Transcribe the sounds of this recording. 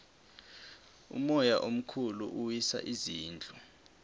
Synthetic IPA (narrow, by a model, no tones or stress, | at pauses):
ṵmɔjaʔom̩kʰulṵʔuwisa̰ʔiziːnd͡ɮʱɔ